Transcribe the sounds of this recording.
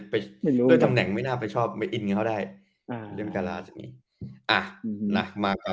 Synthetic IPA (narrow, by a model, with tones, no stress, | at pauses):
pa˧jɯ˥˩˨t̪ʰa˧mnɛ˩˦ŋma˥˩jnaː˥˩pa˧jt͡ɕʰɔː˥˩p̚ma˥˩jʔi˧nkkʰa˥˩daː˥˩j | lɯ˥˩ənkaː˧la̰ː˦˥sja˨˩ŋːʔḭː˦˥ | ʔa˧˩la˨˩k̚maː˧k̚ːaː˨˩